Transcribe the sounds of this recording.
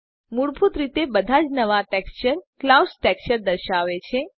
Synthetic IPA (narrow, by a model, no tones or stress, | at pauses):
muɽpʰut̪ɾit̪ebəd̪ʱad͡ʒnəʋaʈɛkst͡ʃəɾklawsʈɛkʃəɾd̪əɾʃaʋet͡ʃʰe